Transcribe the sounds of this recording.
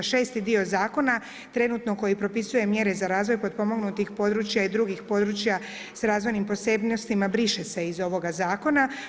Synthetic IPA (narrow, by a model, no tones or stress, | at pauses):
ʃe̞ːst̪id̪io̞zaːko̞na | t̪ɾe̞nut̪no̞ko̞jipɾo̞pisuje̞mje̞ɾe̞zaɾaːzʋo̞jpo̞d̪̚po̞mo̞ɡnut̪ixpo̞d̪ɾut͡ɕjaid̪ɾuɡixpo̞d̪ɾut͡ɕja | sɾaːzʋo̞jnimpo̞sebnost̪imabɾiʃese̞izo̞ʋo̞ɡazaːko̞na